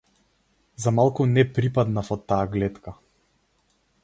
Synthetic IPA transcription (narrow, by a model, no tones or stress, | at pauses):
zamalˠkunɛpɾipad̪nafɔt̪ːaːɡlɛt̪ka